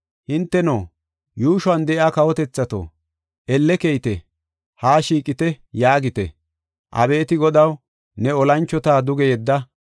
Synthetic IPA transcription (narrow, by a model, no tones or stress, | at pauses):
hɪnt̪ːɛnoː | juːʃʊɐnd̪ɛʔjaːkɐwɔt̪ɛt͡sːɐt̪o̰ː | ɛlːɛkɛjt̪ɛ | haːʃiːkʼɪt̪ɛ | jaːɡɪt̪ɛ̰ | ʔɐ̰be̞ːt̪ɪɡɔd̪ɐw | nɛɔlɐnt͡ʃːɔt̪aːd̪ʊɡɛjɛd̪ːɐ